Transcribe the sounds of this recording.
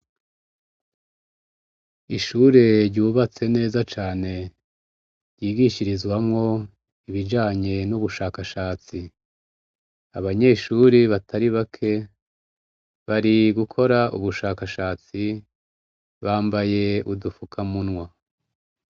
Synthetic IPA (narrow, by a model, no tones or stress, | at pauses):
iʃuɾe̞ɾɟuːβat͡se̞ne̞ːzat͡ʃaːne̞ | ɾjiːɡiʃiɾizwamŋo̞ | iβid͡ʒaːɲe̞nuβuʃaːkaʃaːt͡si | aβaɲe̞ʃuɾiβatʰaɾiβakʰe̞ | βaɾiɡukʰo̞ɾaʔṵβuʃaːkaʃaːt͡si | βaːmbaje̞udufukʰamunwa